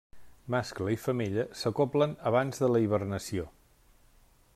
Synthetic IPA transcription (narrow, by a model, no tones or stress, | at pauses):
maskləifəmiʎəsəkoplənəβanzðələiβ̞ərnəsio